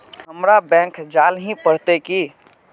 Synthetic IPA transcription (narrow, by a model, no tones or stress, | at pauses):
ɦəmɾabɛ̃ːŋkd͡ʒaːlɦĩpəɽ̤t̪ekiː